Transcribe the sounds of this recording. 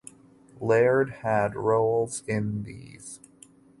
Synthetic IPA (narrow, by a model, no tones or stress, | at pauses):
lɛɹd̚ɨd̚ɹoʊlˠz̥ɪ̃nðḭz̥